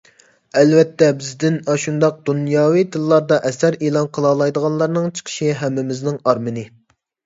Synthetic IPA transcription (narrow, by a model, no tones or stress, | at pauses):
ɛlvɛt̪ʰːɛbɪzd̪ɪnɑʃund̪ɑq̚d̪̥unjɑːwijd̪ɨlːˠɑɾd̪ɑʔɛsæɾelˠɑnqʰəlˠɑːlˠɑjd̪əʁɑnlˠɑɾnɨŋt͡ʃʰə̥qʰə̥ʃiɦɛmːɪmɪznɪŋɑɾmɨnɨ